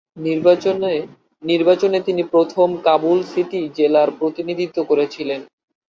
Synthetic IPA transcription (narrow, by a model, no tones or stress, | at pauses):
niɾ | niɾbat͡ɕonet̪inipɾot̪ʰomkabulsiʈid͡ʑelaɾpɾot̪inid̪ʱit̪ːokoɾet͡ɕʰilen